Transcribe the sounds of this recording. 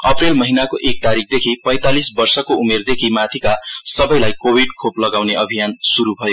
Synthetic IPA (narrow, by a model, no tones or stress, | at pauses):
ʌprelmʌɦinakoʔek̚t̪aɾik̚ʰd̪ekʰipʌ̃j̃t̪alisbʌrsʌkoumerd̪ekʰimat̪ʰikasʌbʌjlajkobʱiɖkʰoplʌɡawneʔʌbʱijansuɾubʱʌjo